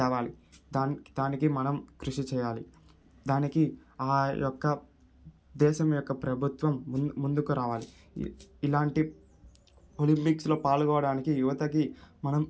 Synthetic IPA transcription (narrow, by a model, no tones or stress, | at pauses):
ɛːʋaːlid̪aːnd̪aːnikimɐnɐmkɾuʂit͡ʃɛːjaːli | d̪aːnikiaːjɔkːɐ | d̪ɛːʃɐmjɔkːɐpɾɐbʱut̪ʋɐmːund̪ukuɾaːʋaːlḭ | ilaːɳʈi | olimpikslo̞ːpaːlɡɔːʋɐɽaːnikijuʋɐt̪ɐkimɐnɐm